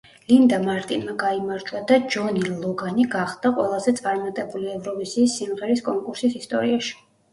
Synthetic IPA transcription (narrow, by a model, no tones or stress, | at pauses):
lind̪amaɾt̪ʼinmaɡaimaɾt͡ʃʼwad̪ad͡ʒɔnilˠɔɡaniɡaχd̪̥aqʼwɛlˠazɛt̪sʼaɾmat̪ʼɛbuliɛvɾɔvisiːsːimʁɛɾiskʼɔŋkʼuɾsisist̪ʼɔ̰ɾiaʃi̥